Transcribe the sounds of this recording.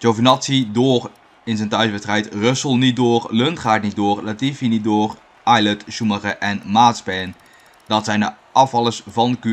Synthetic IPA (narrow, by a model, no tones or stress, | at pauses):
d͡ʒowvənɑtsidoːr | ɪnzɛntœɥsʋɛstrɛjtrɵsəlˠnit̚doːrlɵntχaːtnit̚doːrlatifinit̚doːr | ʔɑjlətʃuməχəʔɛnmaːtspɛːn | dɑtsɛjndəʔɑfɑlˠəsvɑnəky